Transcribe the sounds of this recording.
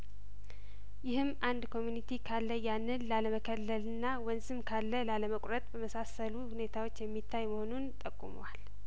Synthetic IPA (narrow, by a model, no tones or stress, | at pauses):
jɪhɨmːʔand̪kʰo̞mjunit̪ʰikʰalːəjanːɨnlaləməkʰəlːəlɨnːawənzɨmkʰalːəlaləməkʼɾət̪ʼbəməsasəluhune̞t̪ʰawot͡ʃːjɛmːit̪ʰːajməho̞nunt̪ʼəkʼːṵməwal